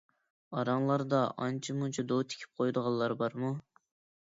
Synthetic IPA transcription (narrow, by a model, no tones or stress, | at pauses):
ɑɾɑŋlˠɑɾd̪ɑʔɑnt͡ʃʰimut͡ʃʰɑd̪ot̪ʰe̥kʲʰi̥p̚qʰojd̪əʁɑlˠːɑɾbɑɾmu